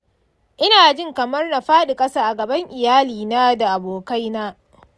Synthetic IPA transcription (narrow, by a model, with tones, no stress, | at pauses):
ʔɪ˦naː˨d͡ʒɪ˦˨ŋkɐ˨mɐ˦rna˨ɸaː˦ɗɪ˨kʼɐ˦saː˦ʔa˨ɡɐ˨bɐ˦ŋʔɪ˨jaː˦liː˨naː˦da˨ʔa˨boː˨ka˦jnaː˦